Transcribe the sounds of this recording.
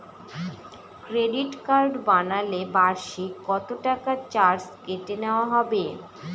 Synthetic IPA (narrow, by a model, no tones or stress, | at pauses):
kɾeɖiʈkaɾɖbanalebaɾʃikɔt̪oʈakat͡ɕaɾskeʈeneoaɦɔbe